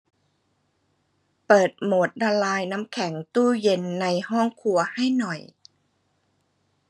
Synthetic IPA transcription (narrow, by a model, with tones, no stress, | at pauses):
pɤː˨˩t̪̚moː˨˩˦t̪̚da˧laː˧jna˦˥mkʰɛ˩˦ŋt̪uː˥˩je˧nːa˧jhɔ˥˩ŋkʰu˧ɐha˥˩jnɔ˨˩j